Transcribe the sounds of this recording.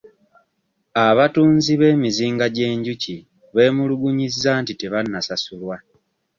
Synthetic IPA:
aβatuːnziβe̞ːmiziːŋɡaɟe̞ːɲɟuci | βe̞ːmuluɡuɲizːaːntite̞βanːasasulwa

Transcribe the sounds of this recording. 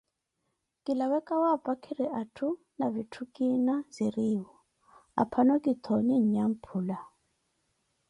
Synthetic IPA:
kʼilawɛkʼawapʼakʰiɾiʔatʰu | navitʰukʼinaziriːwɔ | a̰pʰanɔkʼit̪ʰɔniɲ̩ɲam̩pʰuːla

